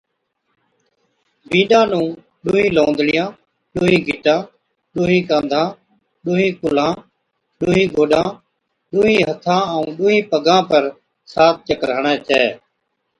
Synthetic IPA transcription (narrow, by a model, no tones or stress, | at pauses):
bʱĩːɗãːnũː | ɗuːɦĩːlõːnd̪ɽɪjãː | ɗuːɦĩːɡʱɪʈãː | ɗuːɦĩːkãːnd̪ʱãː | ɗuːɦĩːkʊlãː | ɗuːĩːɡʱoːɗãː | ɗʊːɦĩːɦət̪ʰãːəũːɗuːɦĩːpəɡãːpəɾ | saːt̪̚ʰt͡ʃəkɾɳẽːt͡ʃeː